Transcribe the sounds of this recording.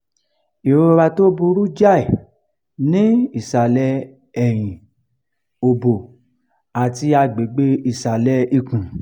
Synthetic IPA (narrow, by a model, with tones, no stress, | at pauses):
i˨ɾo˦˧ɾa˧to˦bu˧ɾu˦d͡ʒa˦i˨ | nĩ˦i˦˨sa˨lɛ˧ | ɛ˨j̃ĩ˨ | o˨bo˨ | a˨ti˧a˧ɡ͡be˨ɡ͡be˧˦i˨sa˨lɛ˧i˧˨kũ˨